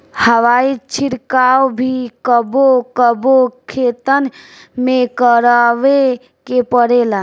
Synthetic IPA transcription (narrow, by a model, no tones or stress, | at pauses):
həʋait͡ʃʰiɾkawbʱikəbokəbokʰet̪ənmekəɾaʋe | kepəɽela